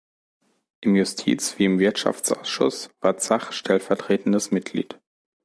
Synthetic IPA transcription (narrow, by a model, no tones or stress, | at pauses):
ʔɪmjʊstʰḭːt͡sv̥iːɪmvɪɐtʃa̰ft͡sʔa̰ʊsʃʊ̰sv̥aːɐt͡saχʃtʰɛlfɛɐtʁ̥eːtn̩dəsmɪt̚ɡ̥lḭːt